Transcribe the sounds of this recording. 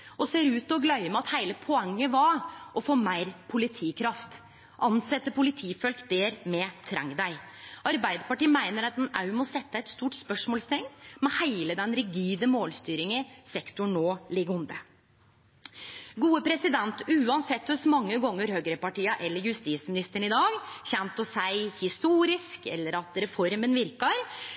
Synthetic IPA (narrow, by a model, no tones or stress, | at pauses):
ɔseːɾʉːt̪ɔɡlœʏəmɛɑt̪hæɪləpʰɔɛŋːəʋɑɔfoːmæɪɾpʰʊlɪt̪ʰiːkʰɾɑft̪ | ʔɑnsɛt̪ːəpʊlɪt̪ʰiːfœlkd̪eːɾmɛt̪ʰɾæ̰ŋd̪æɪɑɾbæɪd̪əpɑʈiːəmæɪnəɾɑt̪̚d̪ɛnɑ̰ʉmɔsɛt̪ːəæɪt̪st̪uːʈspœʂmoːlst̪ʰɪŋːmɛhæɪləd̪ɛnɾɪɡiːd̪əmoːlst̪yːɾɪŋəsɛkt̪ʊɳnoːlɪɡʊnd̪ə | ɡuːəpʰɾɛsɪd̪ɛnt̪ʉːɑnsɛt̪ːʉsmɑŋːəɡɔŋːəɾhøɡɾəpɑʈiːəʔɛlːəɾjʉst̪iːsmɪnɪst̪əɳɪd̪ɑːɡçɛnt̪ɔsæɪhɪst̪uːɾɪskɛ̰lːəɾɑt̪ɾɛfɔɾmənʋɪɾkəɾ